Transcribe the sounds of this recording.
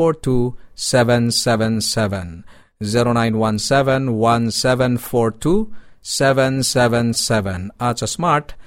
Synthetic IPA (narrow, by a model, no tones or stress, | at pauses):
oɾtʰusɛʋɛ̃nsɛʋɛ̃nsɛʋɛ̃n | ziɾoñãj̃nwãnsɛʋɛ̃nwãnsɛʋɛ̃nfɔɾtʰusɛʋɛ̃nsɛʋɛ̃nsɛʋɛ̃nat͡ʃasmaɾʈ